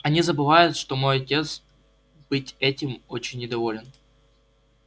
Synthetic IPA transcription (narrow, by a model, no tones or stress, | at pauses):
ɐnʲizəbɨvajʊt̪ʂt̪o̞mo̞jɐtʲe̞t̪s | b̥ɨtʲɛtʲɪmot͡ɕɪnʲːɪd̪ɐvo̞lʲɪn